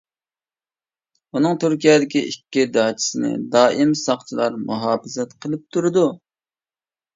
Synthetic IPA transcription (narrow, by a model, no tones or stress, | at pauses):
unɨŋt̪ʰyɾkʲijɛd̪ɪkʲiikʲːid̪ɑːt͡ʃʰi̥sɪnɪ̰d̪ɑːʔimsɑχt͡ʃʰilˠɑɾmuɦɑːfɨzɛt̪qʰəlˠɨp̚t̪ʰuɾɨd̪u